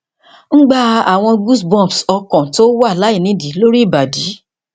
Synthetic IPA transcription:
n̩˦ɡ͡ba˧a˨w̃ɔ̃˧ɡu˦sbɔ̃˦˨bsɔ˧kã˨to˦wa˦˨la˨˦i˦˨nĩ˨˦di˨˦lo˦ɾi˦˨ba˨di˨˦

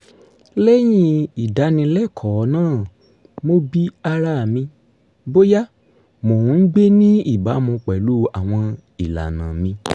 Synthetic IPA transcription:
lɛ˦j̃ĩ˧i˨da˨˧˦nĩ˧lɛ˦˨kʰɔ˨˦nãː˦˨ | mo˦bi˦a˧ɾa˦˨mĩ˧ | bo˦ja˦ | mõ˨˧n̩˦ɡ͡be˦nĩ˦i˦˨ba˨˦mũ˧k͡pɛ˨lu˦˨a˨w̃ɔ̃˧ | i˨la̰˨nã˨mĩ˧

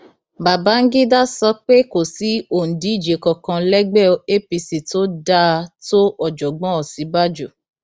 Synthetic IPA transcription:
ba˨ba˨˦ŋ̩˦ɡi˦da˦sɔ˧k͡pe˦ko˨si˨˦o˨n̩˨di˨˦i˦˨d͡ʒe˨kɔ˧kã˧lɛ˦ɡ͡bɛ˦˨˦e˦pi˧si˨to˦da˦to˦ɔ˨d͡ʒɔ˨ɡ͡bɔ̃˨˦ɔ˨si˨˦ba˦d͡ʒo˦˨

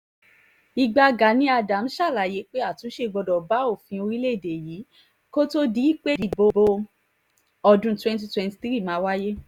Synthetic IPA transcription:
i˧ɡ͡ba˧ɡa˨nĩ˧˦a˧da˨m̩˦ʃa˦˨la˨je˨˦k͡pe˦a˦˨tũ˨˦ʃe˧ɡ͡bɔ˧dɔ˨ba˨˦o˦˨fĩ˧o˧ɾi˦le˦˨de˨jiː˨˦ | ko˦to˦di˦i˦k͡pe˦˨di˨˧˦bo˧bo˦ | ɔ˧dũ˧˦twɛ̃˧nt̬i˧twɛ̃˧nti̥˧ti˦ɾi˦˨mã˨˦wa˦je˦

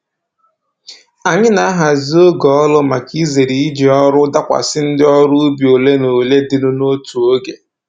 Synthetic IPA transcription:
a˨ɲɪ˦na˨a˦ɦa˨zi˦o˦ɡɔ˨ɔ˦lʊ˦ma˨ki˦ze˨ɾi˨i˦d͡ʒi˨ɔ˦ɾʊ˦da˦kʷa̰˨sɪ˦n̩˦dɪ˦ɔ˦ɾʊ˦ʊ˦bi˨o˨le˦no˨le˦dɪ˦nʊ˦no˦tu˨o˦ɡe˨

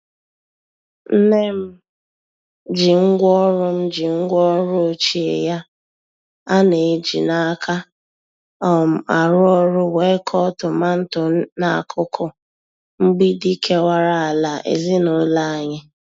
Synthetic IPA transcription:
n̩˦ne˦m̩˦ | d͡ʒi˨ŋ̩˦ɡʷɔ˦ɾʊ˦m̩˦d͡ʒi˨ŋ̩˦ɡʷɔ˦ɾʊ˦o˨t͡ʃi˨˦ḛ˨ja˦ | a˦ne˨d͡ʒḭ˨na˦kʰa˦ | ɔ˨m̩˨a˨ɾʊ˦ɔ˦ɾʊ˦we˨˦kʰɔ˦tʊ˨ma˦n̩˦tʊ˨˦na˨a̰˨kʰʊ˦kʊ˦ | ŋ͡m̩˦ɡ͡bi˦di˦kʰe˦wa˦ɾa˨a˨la˨ʔḛ˨zi˦nʊ˨˦la˦a˨ɲɪ˦

